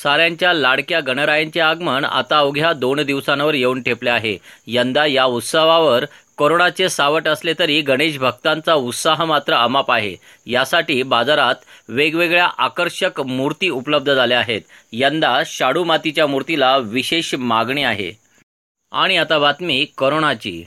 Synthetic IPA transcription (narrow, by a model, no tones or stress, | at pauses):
saɾjaɲt͡ɕjalaɽkjaɡəɽ̃əɾajaɲt͡ɕeaɡməɳa̰t̪aəwɡʱjad̪ond̪iʋsanʋəɾjeuːnʈʰepleaɦejənd̪ajaut̪səʋaʋəɾkoɾoɽat͡sesaʋəʈəslet̪əɾiːɡʱəɽ̃eɕbʱəɡt̪ant͡saut̪saɦmat̪ɾəəmapaɦḛ | jasaʈiːbad͡zaɾat̪ʋeɡʋeɡɭjaʔakəɾɕəkmuɾt̪iːupləb̚d̪ʱəd͡zaleaɦet̪ | jənd̪aɕaɽumat̪it͡ɕjamuɾt̪ilaʋiɕeɕmaɡɳiaɦḛ | a̰ɽ̃iat̪aʋat̪miːkoɾoɳ̃at͡ɕḭː